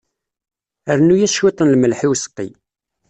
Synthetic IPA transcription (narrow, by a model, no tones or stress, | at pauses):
əɾnujæʃwit̪ˤənlməlħiwsə̥qːḭ